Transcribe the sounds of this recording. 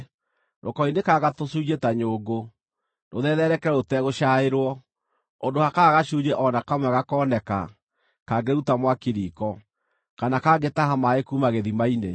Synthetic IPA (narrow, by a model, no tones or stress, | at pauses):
ɾʔokɔinekaɣatosuɣetaɲoːɡo | noðɛðɛɾɛkɛɾɛotɛɣoʃaeɾwɔ | ondohakaːɣaʃud͡ʒɛʔɔnakamwaɣakɔːnɛka̰ | kaɡeɾɛutamwakiɾikɔ | kanakaːɡetahamaekumaɣeðimaine